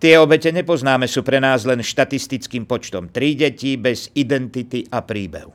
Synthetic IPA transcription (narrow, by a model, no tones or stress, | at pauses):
t̪ɪɛɔbɛcɛɲɛpɔznaːmɛsuːpɾɛnaːzlɛnʃt̪at̪ist̪it͡skiːmpɔt͡ʃt̪ɔmt̪ɾiɟɛcibɛz̥id̪ɛnt̪it̪iʔʔapɾiːbɛ̰ɦʊ